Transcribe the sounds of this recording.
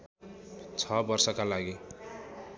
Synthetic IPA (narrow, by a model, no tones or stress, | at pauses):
t͡sʰʌbʌrsʌkalaɡi